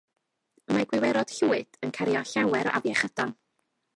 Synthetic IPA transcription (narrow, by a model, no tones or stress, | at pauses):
əmaɡwɪwɛɾɔd̥ɬuːɨd̥ənkʰaɾjɔɬawɛɾa̰vjɛχəd̥ɔn